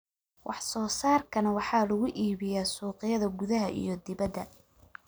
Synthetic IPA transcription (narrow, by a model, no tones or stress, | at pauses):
wʔɑħsɔːsaːrkʰɐnɐwɑħɑːlɐɣʊʔiːβɪjaːsuːqɪjɐðɐɡʊðɐɦɐʔḭjɞd̪ɪβɐd̪ːɐ